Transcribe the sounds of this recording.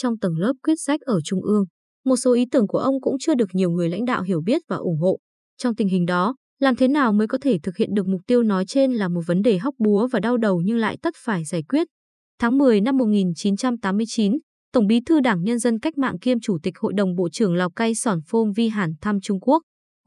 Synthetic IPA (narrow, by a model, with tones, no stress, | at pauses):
t͡ɕɔ˧ŋ͡mt̪ə˨˧˩ŋləː˦˥p̚kwi˦˥ət̚sa˦˥k̟̚ʔəː˧˩t͡ɕʊ˧ŋ͡mʔɨ˧əŋ | mo˨˩t̚so˨˦ʔi˨˦t̪ɨ˧˩əŋku˧˩əʔə˧wŋ͡mkʊ̰˧˥ŋ͡mt͡ɕɨ˧əɗɨ˨˩ək̚ɲi˨˩əwŋɨ˨˩əjla̰˧˥ŋ̟ɗa̰ː˧˨wɦi˧˩əwɓi˦˥ət̚vaː˨˩ʔʊ˧˩ŋ͡mɦo̰˧˨ | t͡ɕɔ˧wŋ͡mt̪ï˨˩ŋ̟ɦï˨˩ŋ̟ɗɔ˨˦ | laː˨˩mt̪ʰe˨˦naː˨˩wməː˨˦jkɔ˨˦t̪ʰe˧˩t̪ʰɨ˨˩k̚hḭ˧˨ənɗɨ˨˩ək̚mʊ˨˩k͡p̚t̪i˧əwnɔ˨˦jt͡ɕe˧nlaː˨˩mo˨˩t̚və˨˦nɗe˨˩ɦa˦˥k͡p̚ɓu˨˦əvaː˨˩ɗa˧wɗə˨˩wɲɨ˧ŋla̰ː˧˨jt̪ə˦˥t̚faː˧˩jzaː˧˩jkwi˦˥ət̚ | t̪ʰaː˨˦ŋmɨ˨˩əjna˧mːo˨˩t̚ŋi˨˩nt͡ɕi˨˦nt͡ɕa˧mt̪aː˨˦mːɨ˧əjt͡ɕi˨˦n | t̪ə˧˩wŋ͡mɓi˨˦t̪ʰɨ˧ɗaː˧˩ŋɲə˧nzə˧nka˦˥k̚ma̰ː˧˨ŋki˧əmt͡ɕu˧˩t̪ï˨˩k̟̚ho̰˧˨jɗə˨˩wŋ͡mɓo̰˧˨t͡ɕɨ˧˩əŋla˨˩w̚ka˧jsɔ˨˩nfo˧nvi˧ɦaː˧˩nt̪ʰa˧mt͡ɕʊ˧ŋ͡mku˦˥ək̚